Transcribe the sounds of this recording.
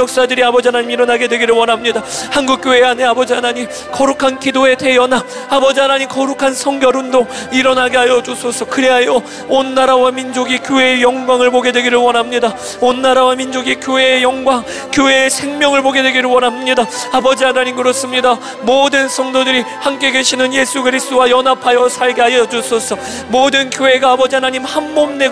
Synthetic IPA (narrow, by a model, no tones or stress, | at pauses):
jʌk̚s͈adɯɾiabʌd͡ʑiɦanaɲimiɾʌnɦaɡe̞dwe̞ɡiɾɯɭwʌnɦamɲidahanɡuk͈̚joeane̞abʌd͡ʑiɦanaɲim | kʌɾukʰankidoe̞tʰejʌna | abʌd͡ʑiɦanaɲimkʌɾukʰansʰʌŋɡjʌɾɯndoŋiɾʌnɦaɡeajʌd͡ʑusʰosʰʌkɯɾeɦajʌ | onːaɾawamind͡ʑoɡikjoe̞ejʌŋɡwaŋɯɭboɡe̞dweɡiɾɯɭwʌnɦamɲida | onːaɾawamind͡ʑoɡikjoɦeːjʌŋɡwaŋ | kjoɦeːsʰe̞ŋmjʌŋɯɭpoɡe̞dweɡiɾɯɭwʌnɦamɲidaabʌd͡ʑiɦanaɲimkɯɾʌs͈ɯmɲida | modɯnsʰʌŋdodɯɾihamk͈e̞ɡe̞ɕʰinɯnje̞sʰuɡɯɾisʰt͈ʰowajʌnapʰajʌsʰaɭɡeɦajʌd͡ʑosʰosʰʌ | modɯnkjoɦe̞ɡaːbʌd͡ʑiɦanaɲimhamːomne̞